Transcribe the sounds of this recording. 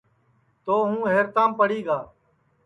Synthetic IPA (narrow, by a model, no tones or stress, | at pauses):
t̪oːɦũːɦeːɾt̪ãːmpəɽiːɡaː